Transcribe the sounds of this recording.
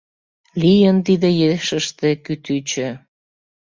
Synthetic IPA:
lijənt̪id̪ejeʃəʃt̪ekyt̪yt͡ɕø

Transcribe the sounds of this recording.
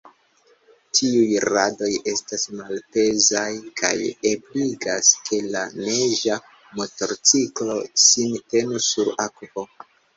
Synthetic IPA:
tʰiujɾado̞je̞stasmalpe̞zajkʰa̰jebliɡaskʰe̞laneʒa | mo̞to̞ɾt͡siklo̞sinte̞nusuɾakupo̞

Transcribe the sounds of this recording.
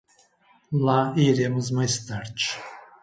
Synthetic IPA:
laiɾemuzmast̪aɾt͡ʃʰ

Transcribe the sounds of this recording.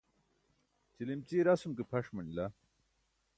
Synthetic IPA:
t͡ɕilimt͡ɕiːɾɐsumkepʰɐʂmɐnila

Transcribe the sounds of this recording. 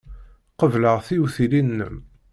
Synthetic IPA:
qəvləʁθiwuθilinːə̰m

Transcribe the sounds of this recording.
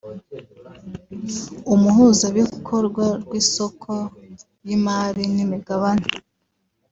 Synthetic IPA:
umuhuzaβikʰo̞ɾɡwaɾɡwiːso̞kʰo | jimaɾinimiɡaβane

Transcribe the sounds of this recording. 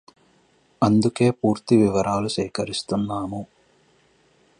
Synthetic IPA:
ɐnd̪uke̞ːpuːɾt̪iʋiʋɐɾaːluʃɛːkɐɾist̪unːaːmu

